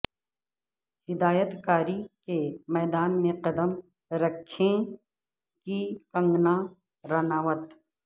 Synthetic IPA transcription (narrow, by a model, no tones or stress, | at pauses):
hɪd̪aːjət̪kaːɾikemɛːd̪aːnmẽqɐd̪əm | ɾɐkʰːẽ | kikɐ̃ŋɡna | ɾɐnaːʋət̪